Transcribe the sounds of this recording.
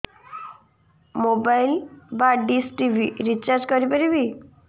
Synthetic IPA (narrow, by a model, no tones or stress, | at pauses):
mobailbaɖisʈiʋiɾit͡ɕaɾd͡ʑkɔɾipəɾibi